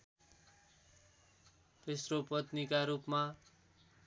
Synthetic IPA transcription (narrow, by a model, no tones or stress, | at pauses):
t̪esropʌt̪nikaɾupma